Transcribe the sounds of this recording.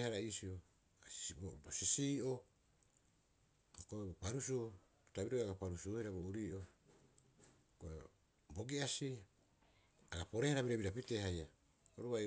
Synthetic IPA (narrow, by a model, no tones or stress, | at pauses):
haɾaisio | obosisiːʔo | hokoebopaɾusu | utabiɾoaɡapaɾusuhiɾaβouɾiːʔo | ɡ̥oe | bo̞ɡiasia | aɡapo̞ɾehaɾaβiɾebiɾapitehaja | oɾuaj